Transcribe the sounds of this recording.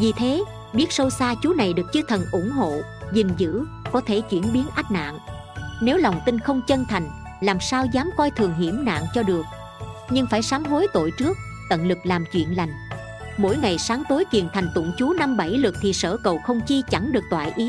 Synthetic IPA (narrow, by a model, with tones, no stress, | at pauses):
vi˨˩t̪ʰe˨˦ | ɓi˦˥ət̚sə˧wsaː˧t͡ɕu˨˦na˨˩jɗɨ˨˩ək̚t͡ɕɨ˧t̪ʰə˨˩nʔʊ˧˩ŋ͡mɦo̰˧˨ | zi˨˩ŋ̟zɨ̰˧˥ | kɔ˨˦t̪ʰe˧˩t͡ɕwi˧˩ənɓi˨˦ənʔa˦˥k̚na̰ː˧˨ŋ | ne˨˦wla˨˩wŋ͡mt̪ï˧nxə˧wŋ͡mt͡ɕə˧nt̪ʰa˨˩jŋ̟ | laː˨˩msaː˧wzaː˨˦mkɔ˧jt̪ʰɨ˨˩əŋɦi˧˩əmna̰ː˧˨ŋt͡ɕɔ˧ɗɨ˨˩ək̚ | ɲɨ˧ŋfaː˧˩jsaː˨˦nɦo˨˦jt̪o̰˧˨jt͡ɕɨ˦˥ək̚ | t̪ə̰˧˨nlɨ˨˩k̚laː˨˩mt͡ɕwḭ˧˨ənla˨˩jŋ̟ | mo̰˧˩jŋa˨˩jsaː˨˦ŋt̪o˨˦jki˨˩ənt̪ʰa˨˩ŋ̟t̪ʊ̰˧˩ŋ͡mt͡ɕu˨˦na˧mɓa˧˩jlɨ˨˩k̚t̪ʰi˨˩səː˧˩kə˨˩wxə˧wŋ͡mt͡ɕi˧t͡ɕa˧˩ŋɗɨ˨˩ək̚t̪wa̰ː˧˨jʔi˨˦